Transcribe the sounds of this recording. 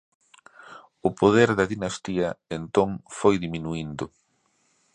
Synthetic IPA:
ʊpoðeɾðɐðinɐst̪iɐent̪oŋfojðiminuind̪ʊ

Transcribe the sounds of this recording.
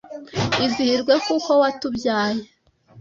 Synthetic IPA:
izihiɾɡwe̞kuko̞watubjaːje

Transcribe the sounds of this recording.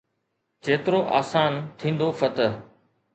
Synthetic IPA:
t͡ɕeːt̪ɪɾoːʔa̰ːsaːnt̪ʰĩːn̆d̪ofɐt̪əɦ

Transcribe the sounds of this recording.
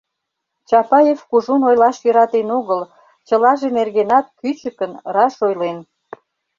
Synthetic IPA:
t͡ɕɑpɑjefkuʒunojlɑʃjøɾɑt̪enoɣəl | t͡ɕəlɑʒenerɣenɑt̪̚kyt͡ɕəkənrɑʃojlen

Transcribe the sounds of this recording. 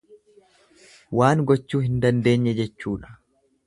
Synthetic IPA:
waːŋɡɔt͡ʃːuːhɪnd̪ɐnd̪e̞ːɲːɛd͡ʒɛt͡ʃːuːᶑɐ̥

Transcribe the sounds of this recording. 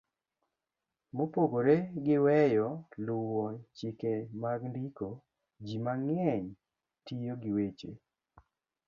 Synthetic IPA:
mopoɡoɾeɡɪwɛjɔlʊwɔt͡ʃɪkemaɡndiko | d͡ʒimaŋɛɲ | tijoɡɪwet͡ʃḛ

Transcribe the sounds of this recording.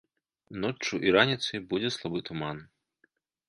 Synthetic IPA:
nɔt͡ʂt͡ʂːuʔiɾanʲit̪sɨjbud͡zʲɛslˠabɨt̪uman

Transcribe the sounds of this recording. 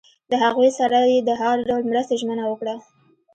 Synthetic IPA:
d̪əhaɣujsaɾajed̪əɦaɾɖawlmɾəst̪eʒmənawəkɽa

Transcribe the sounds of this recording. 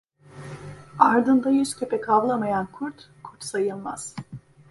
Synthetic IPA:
aɾd̪ɯnd̪ajyscʰepʰɛkʰavlˠamajankʰuɾt̪ | kʰuɾt̪sajɯlˠmaz̥

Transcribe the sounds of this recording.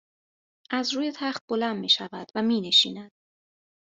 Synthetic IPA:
ʔæzɾuːje̞t̪ʰæχt̪̚b̥o̞lænd̪miːʃævæd̪̥væmiːne̞ʃḭːnæd̪̥̚

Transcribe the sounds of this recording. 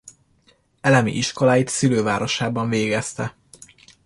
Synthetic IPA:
ɛlɛmḭʔiʃko̞laːjit̪siløːvaːɾo̞ʃaːbɒɱveːɡɛst̪ɛ

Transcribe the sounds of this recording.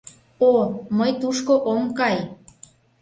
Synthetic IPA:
oməjt̪uʃkoʔomkɑj

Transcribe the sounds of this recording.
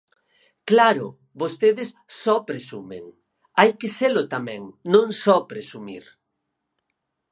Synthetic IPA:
klaɾʊ̰ | bost̪eðɪs | sɔpɾesumḛŋ | ajkeselʊt̪amɛ̃ŋnõŋsɔpɾesumḭɾ

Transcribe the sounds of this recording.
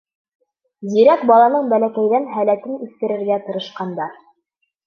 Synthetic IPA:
ziɾæk̚bɑlˠɑnɤɴbælækæjðænɦælæt̪ɘnʉθkɘ̆ɾɘ̆ɾɡæt̪ɤ̆ɾɤ̆ʃqɑnd̪ɑɾ

